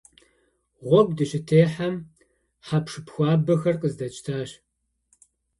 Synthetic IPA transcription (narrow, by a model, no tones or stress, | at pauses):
ʁʷɔb̚dɨɕɪtʰeːħam | ħapʂɨpxʷɑːbɐxɐrqʼəzdɐt͡ʃʼtʰaːɕ